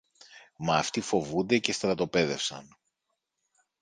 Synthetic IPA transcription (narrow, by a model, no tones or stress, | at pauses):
mɐːft̪ifo̞vund̪e̞ce̞st̪ɾɐt̪o̞pe̞ðe̞fsɐ̰n